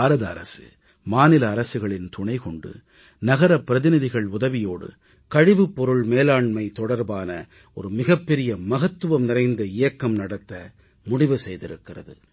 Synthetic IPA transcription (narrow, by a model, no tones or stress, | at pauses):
aːɾɐðɐɐ̰ɾɐ̰sɯ̰ | maːnɪlɐːɾɐsɯɣɐɭɪnt̪ʊɳɐɪkɔɳɖɯ̰ | nɐɣɐɾɐpːɪɾɐðɪnɪðɪɣɐɭʊðɐʋɪjoːɽɯ̰ | kɐɻɪʋɯpːɔɾɯɭmeːlaːɳmɐɪt̪ɔɽɐɾbaːnɐ̰ | ɔɾɯmɪɣɐpːɛɾɪjɐmɐɣɐt̪ːɯʋɐmnɪrɐɪnd̪ɐɪjɐkːɐmnɐɽɐt̪ːɐ | mʊɽɪʋɯsɛjðɪɾɯkːɪrɐ̰ðɯ